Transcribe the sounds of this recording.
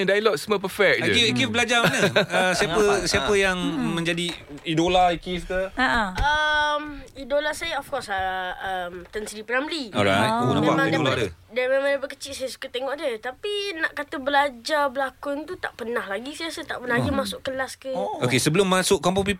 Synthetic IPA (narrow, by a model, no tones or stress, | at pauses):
ɛ̃ndajlɔtsməp̬əfɛk̚d͡ʒəikifbəlad͡ʒamanəəsiapəsiapəjaŋmə̃ɲd͡ʒadiidolaikist̪əəmidolasajaɔfkɔsaəmt̪ənsəɾipɾamliɔ̰ɾa̰jonã̰mamãŋidaladədamẽmãŋdabəkət͡ʃiʔsajasu̥kat̪eŋɔʔdət̪apinaʔkat̪əbəlad͡ʒabəlakunt̪ut̪a̰ʔpənahlaɡisiasət̪a̰ʔpənahaɡimasʊʔkəlaskəokesəbəlʊmːasʊʔkamp̬opip